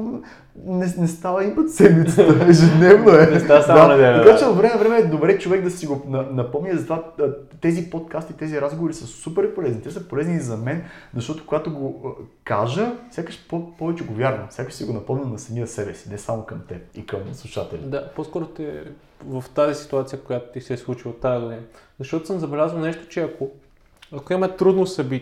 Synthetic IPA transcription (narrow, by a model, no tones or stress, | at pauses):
nɛnɛst̪avəimət̪sɛd̪mit̪səəɛʒɛd̪nɛvnoɛad̪aɐɛɐkat͡ʃɛvɐvɾɛmɛvɾɛmɛːd̪obɾɛt͡ʃovɛɡd̪ɐsiɡonɐnɐpɔmnʲizɐt̪ovat̪ɛzipot̪kast̪it̪ɛziɾazɡovoɾisəsupɛɾipolɛznit̪ɛsəpolɛznizɐmɛnzɐʃt̪ɔt̪o̥koɡat̪oɡokaʒəfsʲjakəʃpopɔvɛt͡ʃɛɡovʲjaɾvɐfsʲakəʃsiɡonɐpɔmnʲənɐsɐmiəsɛbɛsi̥nɛsamokɐmt̪ɛpikɐmslˠuʃat̪ɛlʲid̪aposkɔɾot̪ɛ | vɐft̪azisi̥t̪uat̪sʲijəkojat̪o̥t̪ʲisɛslˠut͡ʃilˠot̪ːajɐɡod̪inəzɐʃt̪ɔt̪o̥səmzɐbɛlʲazvəlˠnɛʃt̪o̥t͡ʃɛɐko | ɐkoimɛt̪ɾud̪nosɐbi